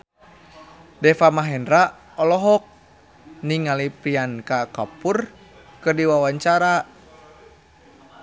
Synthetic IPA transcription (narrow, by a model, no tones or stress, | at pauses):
dɛfamaɦɛndɾa | ɔlɔɦɔk̚ | niŋalipɾiankakapur | kɨrdiwawaɲt͡ʃaɾa